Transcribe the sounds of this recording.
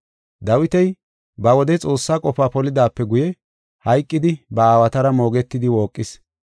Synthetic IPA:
d̪ɐwɪt̪ɛj | bɐwɔd̪ɛt͡sʼo̞ːsːaːkʼɔfaːpɔlɪd̪aːpːɛɡʊjɛ | hɐjkʼːɪd̪ɪbɐaːwɐt̪ɐɾɐmo̞ːɡɛt̪ːɪd̪ɪwo̞ːkʼːɪs

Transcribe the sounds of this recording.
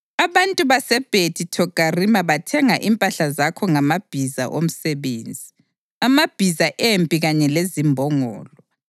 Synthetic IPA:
aβantʼuβasɛb̥ʱedʰʱitʰɔɡ̥ʱʼarimaβatʰɛŋaʔimpʼaɬazakʰɔŋamab̥ʱiza̰ʔom̩sɛβeːnd͡zʱi | amab̥ʱizaʔempʼiɣaɲɛlezimbʱɔŋɔ̰ːlɔ

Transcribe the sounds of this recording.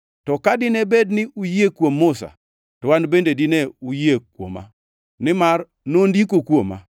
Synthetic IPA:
tɔkadɪnebednɪʔujekwomːʊsa̰ | tɔwanbendedɪneujekwo̰ma̰ | nɪmar | nondikokwoma̰

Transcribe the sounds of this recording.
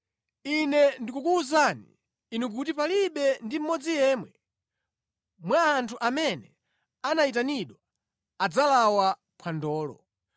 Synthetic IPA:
inɛndikukuuzaniː | nuk̬utipaliɓɛndim̩mɔd͡zijɛːmwɛ | mwaːntʰuʔamɛnɛ | anaitaniɗwa | ad͡zalawa | pʰwandɔːlɔ̰

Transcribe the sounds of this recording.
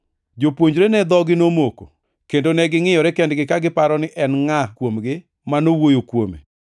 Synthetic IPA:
d͡ʒopwoɲd͡ʒɾenɛd̪ɔɡɪnomoko̰ | kendonɛɡɪŋɪjɔɾɛkɛndɡɪkaɡɪpaɾɔnɪʔɛnŋakwomɡɪ | manowojokwo̰mḛ

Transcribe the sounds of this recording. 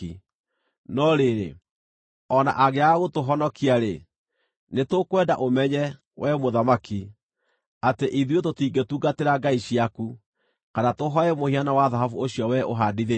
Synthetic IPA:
i | nɔɾeɾḛ | ɔna̰ʔaɣeaɣotoɦɔnɔkiaɾe | netokwɛda̰ʔomɛɲɛ | wɛmoðamaki | ateʔiðwetotiːɡetuːɡateɾaɡaiɕiaku | kanatoɦɔɛmohianawaðaɦavuoɕiɔwɛʔo̰ɦadiðe

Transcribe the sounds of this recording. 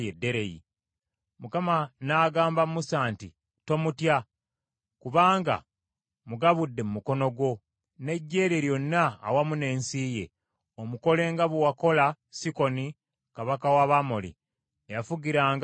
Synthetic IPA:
jedːe̞ɾejḭ | mukamanaːɡaːmbamusaːnti | to̞mutja | kuβaːŋɡa̰ | muɡaβudːe̞mumuko̞no̞ɡwo̞ | ne̞ɟːe̞ːɾeɾjo̞nːa̰ːwamune̞ːnsije̞̰ | omuko̞le̞ːŋɡaβuwako̞la | siko̞ni | kaβakawaβamolḭ | ejafuɡiɾaːŋɡ

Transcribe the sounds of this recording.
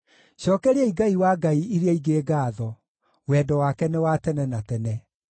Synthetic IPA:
ɕɔːkɛɾeɛiɡaiwaɡaiiɾeaiɡeːɡaːðɔ | wɛːdɔwakɛnewatɛnɛnatɛnɛ

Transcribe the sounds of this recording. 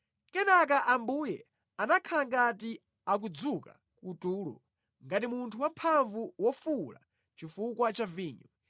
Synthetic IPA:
kɛnak̬aʔambuːjɛ | anakʰalaŋɡati | ak̬ud͡zuka̰ | kutuːlɔ̰ | ŋɡatimuntʰuwampʰaɱvuwɔfula̰ | t͡ʃifukwat͡ʃaviːɲɔ

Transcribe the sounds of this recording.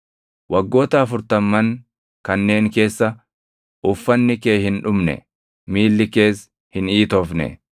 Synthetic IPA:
wɐɡːo̞ːt̪ɐːfʊɾt̪ɐmːɐn | kɐnːe̞ːŋke̞ːsːɐ | ʔʊfːɐnːɪke̞ːhɪnᶑʊmnɛ̰ | miːlːɪke̞ːs | hɪniːt̪ɔfnɛ̰

